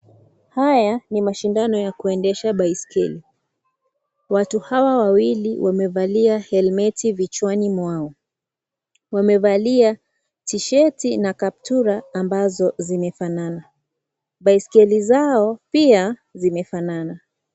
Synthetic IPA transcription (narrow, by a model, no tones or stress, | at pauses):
hajanimaʃindanɔjakuɛndɛʃaɓaiskɛli | watuhawawawiliwʔamɛvaliahɛlmɛtivit͡ʃwanimwaɔ | wamɛvalia | tiʃɛtinakap̚tuɾaːmbazɔzimɛfanana | ɓaiskɛlizaɔpiazimɛfanana